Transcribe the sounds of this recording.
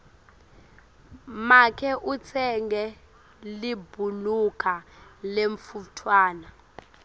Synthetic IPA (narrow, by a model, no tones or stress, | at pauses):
makʰɛʔut͡sʰɛŋɡɛ | libʱulukʰaleɱfutʰwaːna